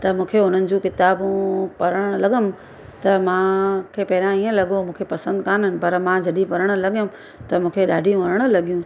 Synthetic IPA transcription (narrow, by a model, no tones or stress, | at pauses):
t̪ɐmũːkʰeʊn̤ənɪ̆d͡ʑũkɪt̪aːbũpɐɾəɽ̃̆lɐɠəm | t̪ɐmãkʰeːpɐɦɪɾãiːə̃lɐɠomũːkʰepɐsə̃nd̪kaːnɦɪnɪ̆pɐɾmãd͡ʑɐɗipɐɾəɽ̃ə̆lɐɠijʊm | t̪ɐmũːkʰeɗaːɖʱijũʋɐɾəɽ̃ə̆lɐɠijũ